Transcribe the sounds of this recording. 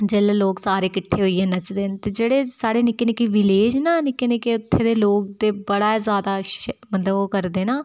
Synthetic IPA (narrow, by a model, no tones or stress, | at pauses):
d͡ʒeːleloːksaːɾeːkɪʈʰːeːɦoːiːeːnət͡ʃd̪eːnt̪eːd͡ʒeːɽeːsaːɽeːnɪkːeːnɪkiʋɪleːd͡ʒnaːnɪkːenekiʊt̪ʰːeːd̪eːloːk̚d̪eːbəɽaːzjaːd̪aːʃmət̪ləbokəɾd̪eːnaː